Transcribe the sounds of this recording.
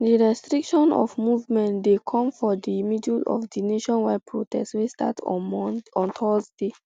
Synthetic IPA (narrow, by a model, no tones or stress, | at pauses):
diɹɛstɹikʃɔ̃nɔ̰fmuvmɛ̃ndekʰɔ̃mfɔdimidulɔ̰fdineʃɔ̃nwapʰɹotɛstswesta̰tʰ | ɔ̃ntʰɔzde